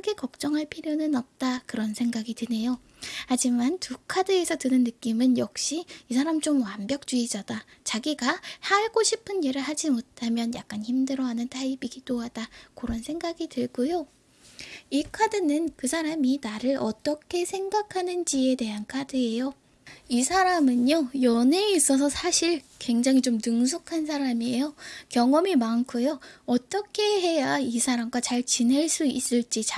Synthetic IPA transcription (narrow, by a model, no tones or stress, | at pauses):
kɯɡe̞kʌk̚t͡ɕ͈ʌŋɯɭpʰiɾjonɯnʌp̚t͈akɯɾʌnsʰe̞ŋɡaɡitɯne̞jo | had͡ʑimantukʰadɯe̞sʰʌtɯnɯnːɯk͈imɯnjʌk̚ɕ͈iisʰaɾamt͡ɕomwambjʌk̚t͡ɕ͈uid͡ʑadat͡ɕaɡiɡasaɭɡoɕʰipʰɯnjeɾɯɭɦad͡ʑimotʰamjʌnja̰k̚k͈ançimdɯɾʌɦanɯntʰaibiɡit͈oɦadakoɾʌnsʰe̞ŋɡaɡitɯɭɡujo | ikʰadɯnɯnkɯsʰaɾaminaɾɯɾʔʌt͈ʌkʰe̞sʰe̞ŋɡakʰanɯnd͡ʑie̞de̞ɦankʰadɯe̞jo | isʰaɾamɯɲojʌne̞is͈ʌs̬ʰʌsʰaɕʰiɭkwe̞ŋd͡ʑaŋit͡ɕomnɯŋs̬ʰukʰans̬ʰaɾamiejokjʌŋʌmimankʰojoʌt͈ʌkʰe̞ɦe̞jaisʰaɾamɡwat͡ɕaɭt͡ɕine̞ɭs͈uis͈ɯɭt͡ɕ͈it͡ɕa